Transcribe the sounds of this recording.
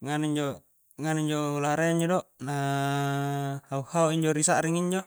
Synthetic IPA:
ŋaniɲd͡ʒo | ŋaniɲd͡ʒolaɾaiɲd͡ʒɔdɔʔna | hauhauiɲd͡ʒɔɾisaʔɾiŋiɲd͡ʒo

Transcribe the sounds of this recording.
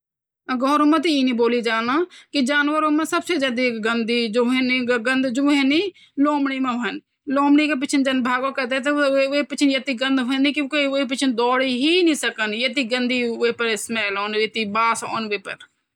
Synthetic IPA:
ɡɔːɾomãːt̪iiːnĩːboːliːd͡ʒaːnaːkɪd͡ʒaːnʋəɾomɛ̃ːsəbseːd͡ʒɛd̪iːkɡənd̪iːd͡ʒoːɦeniɡənd̪d͡ʒoːɦẽniː | loːmɽiːmãɦoən | loːmɽiːkep̬ɪt͡ʃʰənd͡ʒənbʱaːɡõːkət̪eːt̪eeːpɪt͡ʃʰnjət̪iːɡənd̪ɦeniːkɪkoieːpɪt͡ʃʰənd̪ɔːɽiːɦiːnĩːsəkənjət̪iːɡənd̪iːʋeːpəɾsmɛːlɔːnʋet̪iːbaːsɔ̰ːnʋeːpə̰ɾ

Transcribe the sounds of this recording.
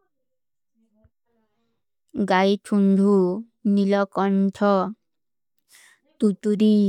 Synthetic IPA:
ɡajʈʰuɳɖʱu | nilɔkɔnʈʰɔ | t̪ut̪uɾi

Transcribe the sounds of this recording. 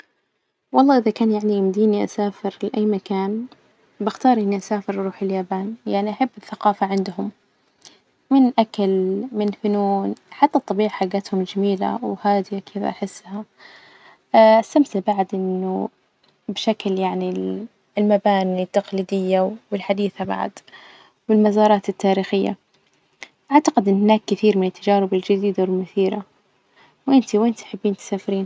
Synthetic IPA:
wɑlˤːɑːʔɪðakaːnjaʕnimd̪iːniʔa̰saːfɪɾlɪʔajːmakaːn | bɪxt̪ɑːɾˤʔɪnːiʔasaːfɪɾʔɑɾˤuːħɪljaːbaːnjaʕniʔaħabːɪθːaqɑːfaʕɪnd̪hʊm | ɪnʔakalmɪnfʊnuːnħat̪ːat̪ˤːɑbiːʕħaɡːat̪hʊmd͡ʒamiːla̰whaːd̪ɪjakʰɪða̰ʔaħɪsːha | ʔast̪amsɪlbaʕd̪ʔɪnːʊ̰ | bʃakljaʕni | lmabaːnit̪ːaqliːd̪ɪjːawɪlħad̪iːθaba̰ʕ̰d̪ | wɪlmazɑːɾˤɑːt̪ɪt̪ːaːɾiːxɪjːa̰ | ʔaʕt̪aqɪd̪ʔɪnːhɪnaːkːɪθiːɾmɪnɪt̪ʰːad͡ʒaːɾɪbɪld͡ʒɪd̪iːd̪awmʊθiːɾa | wʔɪnt̪iwʔɪnt̪ħabːiːnt̪ɪ̥saːfɾiːn

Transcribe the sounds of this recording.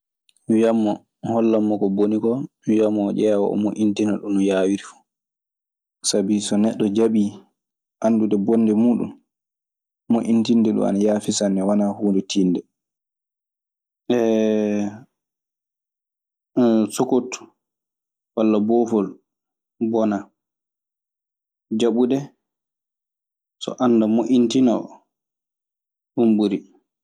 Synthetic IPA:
wiamːɔ | hɔlːamːɔkɔbonikɔ | wiamːɔd͡ʒɛːwa̰ʔɔ̰moʔintinaɗunjaːwiɾifu̥ | sabisɔnɛɗːɔd͡ʒaɓi | ʔanɗudɛbɔndɛmuːɗṵm | moʔintindɛɗṵa̰najaːfisanːɛwanahuːndɛtʰindɛ | ʔɛ | sokot | walːabɔfɔl | bɔna | d͡ʒaɓudɛ | sɔ̰ʔanːdamoʔintina | ɗumbuɾi

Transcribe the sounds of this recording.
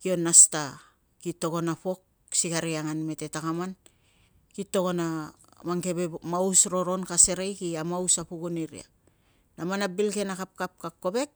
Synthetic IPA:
kio̞nːasta | kitːo̞ko̞napo̞k̚ | sikaɾiaŋanme̞te̞takaman | kitːo̞ko̞na | maŋke̞bemawsɾo̞ɾo̞nkase̞ɾejkiamausapuɡuniɾḭa̰ | namanabilke̞nakap̚kap̚kak̚kːo̞be̞k̚

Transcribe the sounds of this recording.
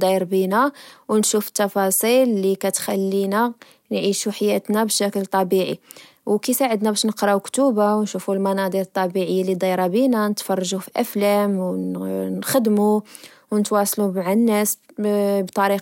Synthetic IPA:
d̪ˤɑɾbinæwnʃufə̥t̪ːɑfɑsˤilːikæt̪xælːinæ | nʕiʃuħajæt̪næbʃækəlt̪ˤɑbiʕḭ | wkisaʕəd̪næbæʃnəqɾˤɑwkt̪ubawnʃufulmɑnɑd̪ˤiɾət̪ˤːɑbiʕəjːalid̪ˤɑjɾˤɑbinænət̪fɑrˤːɑʒufiʔæflæmwnxəd̪mu | wnət̪wɑsˤlumaʕanːæs | bt̪ˤɑɾiq

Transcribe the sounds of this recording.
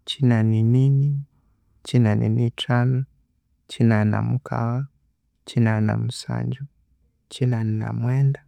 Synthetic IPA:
t͡ʃinaninini | t͡ʃinanḭnitalɔ | t͡ʃinana̰mukʰa̰wa | t͡ʃinana̰m̩sa̰ɲd͡ʒu | t͡ʃinanina̰mwɛnda

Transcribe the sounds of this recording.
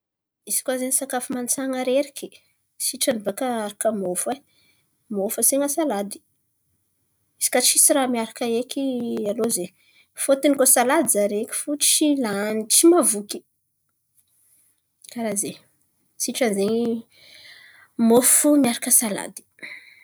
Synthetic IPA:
izi̥kwazenisakafumant͡saŋəɾeɾikʲi̥ | siʈ͡ʂanibakəaɾakəmofa | mofəseŋəsalad̪i̥ | iz̥i̥kat͡ʃisiɾamiaɾakəekʲialoze | fot̪inikosalad̪izaɾekʲi̥fut͡ʃilanit͡ʃimavukʲi̥ | kaɾaze | siʈ͡ʂanzeɲ | mofumiaɾakəsala̰d̪i̥

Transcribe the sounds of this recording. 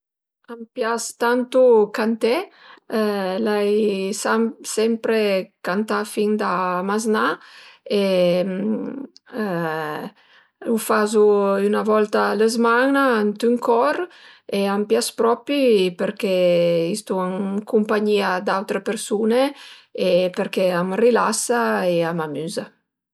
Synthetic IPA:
ampjast̪ant̪ukant̪e | lajsamsɛmpɾekant̪afiŋd̪amaznaem | ufazuynavɔlt̪aləzmaŋnaant̪yŋkɔɾeampjaspɾɔpipeɾkɛist̪uaŋkumpaɲiad̪awt̪ɾepeɾsuneepeɾkeamrilasaeamamyza

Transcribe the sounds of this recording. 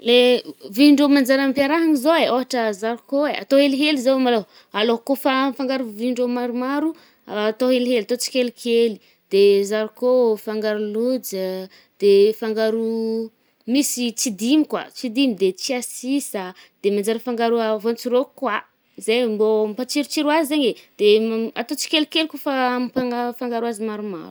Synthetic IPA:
leviɳɖ͡ʐomand͡ʒaɾampjaɾaɦaŋizoeʔoɦaʈ͡ʂəzaɾukoea̰t̪oɦeliɦelizomalo | alokofafaŋɡaɾuviɳɖ͡ʐomaɾumaɾu | t̪oɦeliɦelat̪ot͡si̥kʲelikʰeli | d̪̥ezaɾukofaŋɡaɾulud͡zə | d̪̥efaŋɡaɾu | misit͡sid̪imikwa̰t͡sid̪imid̪et͡siasisad̪̥emand͡ʒaɾəfaŋɡaɾuavont͡ʃiɾokwa | zejmbompat͡ʃiɾut͡ʃiɾuazizeɲed̪̥ea̰t̪ot͡si̥kʲelikelikofampaŋafaŋɡaɾuazimaɾuma̰ɾu̥

